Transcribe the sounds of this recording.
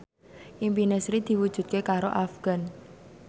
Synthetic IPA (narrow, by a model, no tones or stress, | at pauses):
ʔimpinɛsɾid̪̥i̤wud̥ʒ̥ṳt̪̚kekaɾoʔafɡ̥a̤n